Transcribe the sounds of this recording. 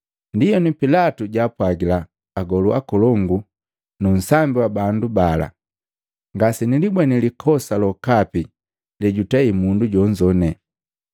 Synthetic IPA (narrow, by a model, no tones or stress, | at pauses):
ndijɔnipilatuɟaːpwaɡilaː | ɡɔluakɔlɔŋɡu | nun̩sambiwabandubala̰ | ŋɡasinilibwɛnilikʰɔsalɔkapi | lɛɟutaimunduɟɔɲd͡ʒɔnɛ